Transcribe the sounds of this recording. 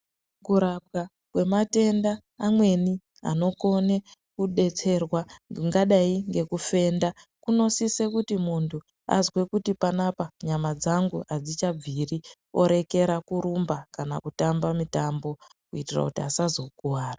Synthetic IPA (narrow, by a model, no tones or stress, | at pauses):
kuɾab̚ɡa | kwe̞mate̞ndaː | mwe̞ni | a̰no̞ko̞ne̞kuɗe̞t͡se̞rwaŋɡaɗaiŋɡe̞kufe̞ːndakuno̞sise̞kutimuntʰu | a̰zwe̞kutipanapaɲamad͡zaŋɡuad͡zit͡ʃab͡viri | o̞ɾe̞ke̞ɾakuɾumbakana̰kutambamitambo̞ | kuitira̰kutiasazo̞kuwaːra